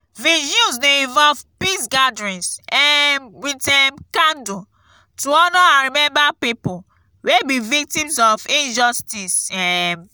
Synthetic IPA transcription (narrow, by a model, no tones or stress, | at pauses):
viʃũsneĩnvɔlvpisɡadɹĩnsɛnwitɛmkãndu | tuɔnɔãnɹimɛ̃mbapipu | webivik̚tĩmsɔfĩnd͡ʒɔstisɛ